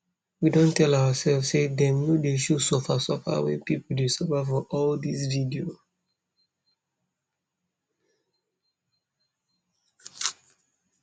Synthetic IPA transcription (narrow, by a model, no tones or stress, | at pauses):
widɔ̃ntɛlawasɛlfsedɛ̃mnodeʃusɔfasɔfa̰wḭpipol̩desɔfafɔʔɔldisvidio